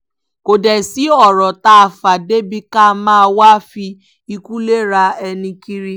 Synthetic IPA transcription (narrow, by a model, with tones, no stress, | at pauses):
ko˨dɛ˨si˨˦ɔ˦˨ɾɔ˨ta˧a˧fa˨de˦bi˧ka˦˧mãː˦˧wa˦fi˧ | i˧ku˦le˦ɾa˧ɛ˧nĩ˧ki˦ɾi˦